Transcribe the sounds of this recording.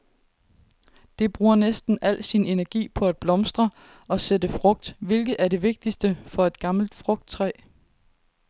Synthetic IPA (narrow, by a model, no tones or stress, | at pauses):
d̥e̝b̥ʁuːɐnesd̥n̩ʔæl̰sine̝næɐɡ̥ḭːpʰɒ̽æd̥̚b̥lɒ̽msd̥ʁɐ | ɒ̽sedəfʁɔ̽ɡ̥̚d̥ʋe̝lɡ̥ð̩ˠæɐɾe̝ʋe̝ɡ̥̚d̥isd̥əfɒ̽e̝d̥ɡ̥ɑ̈ml̩d̥fʁɔ̽ɡ̥̚d̥̚t͡sʰʁɛ̰ː